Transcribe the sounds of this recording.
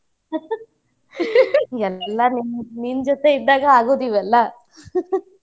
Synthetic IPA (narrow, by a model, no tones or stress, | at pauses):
ɛlːɐninniːnd͡ʒɔt̪eiɖ̪aːɡɐaːɡoːd̪iːʋɛlːɐ